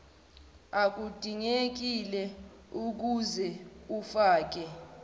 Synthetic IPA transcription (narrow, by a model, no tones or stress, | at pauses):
ak̬ud̥ʱiŋek̬ilɛ | uk̬uzɛufaːk̬ɛ